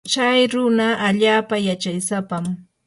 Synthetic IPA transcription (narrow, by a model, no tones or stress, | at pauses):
t͡ʃajɾʊnaʔaʎaːpajat͡ʃajsapam